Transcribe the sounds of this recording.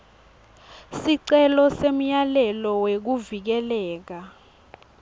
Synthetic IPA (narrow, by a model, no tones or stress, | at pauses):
siǀɛlɔsem̩jalɛlɔwek̬uvik̬ɛlɛːk̬a